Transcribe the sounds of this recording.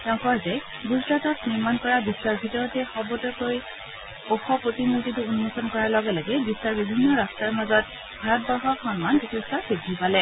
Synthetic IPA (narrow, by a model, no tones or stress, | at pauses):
tɛʊ̃kɔɹzɛ | ɡuzɡɹatɔtniɹmankɔɹabisːaɹbʱitɔɹɔtɛxɔbɔtɔkoj | oxɔpɹotimultitʊunːɔsɔnkɔɹalɔɡɛlaɡɛbisːaɹbibʱinːɔɹastaɹmazɔt̚ | bʱaɹɔt̚bɔɹxɔkxɔnmandikʰestɔkeɡʱipalɛ